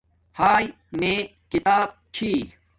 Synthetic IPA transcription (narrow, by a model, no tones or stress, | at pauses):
haːj | mẽːkit̪aːb̚t͡ɕʰiː